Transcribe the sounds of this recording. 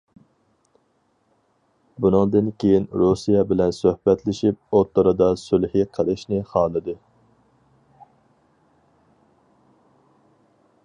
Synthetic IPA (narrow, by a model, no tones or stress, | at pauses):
bunɨŋd̪ɨnkʲʰejinɾusijɛbɪlɛnsøhbɛt̪lɪʃip̚ot̪ʰːəɾɨd̪ɑsylhiqʰɛɾɪʃnɪχɑːlˠɨd̪ɨ